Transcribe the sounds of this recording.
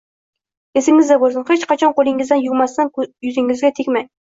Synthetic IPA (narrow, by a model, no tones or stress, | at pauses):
esɪŋɪzd̪ɛbolˠsɨnχet͡ʃqɑt͡ʃʰɑnqolˠɪŋizd̪ɛnjuwmɑsːɑnjyzɪŋɪzɡʲɛt̪ʰekʲmɛj